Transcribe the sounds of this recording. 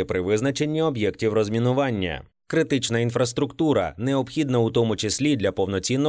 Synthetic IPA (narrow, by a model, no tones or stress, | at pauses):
ɪpɾɪʋɪznɐt͡ʃe̞nʲːiɔbjɛktʲiwrɔzʲmʲinʊʋɑnʲːɐ̰ | kɾɪt̪ɪt͡ʃnɐinfɾɐs̬t̪ɾʊkt̪uɾɐ̰neɔpxʲid̪nɐut̪ɔmʊt͡ʃɪsʲlʲid̪lʲɐpɔwnɔt͡sʲinːɔ